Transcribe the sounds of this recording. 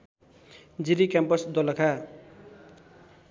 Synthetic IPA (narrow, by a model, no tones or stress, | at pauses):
d͡ziɾikjampʌsd̪olʌkʰa